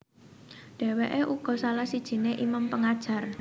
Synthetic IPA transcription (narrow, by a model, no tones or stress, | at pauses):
ɖ̥e̤weʔeʔuɡ̥ɔ̤salahsid̥ʒ̥i̤neʔimampəŋad̥ʒ̥a̤r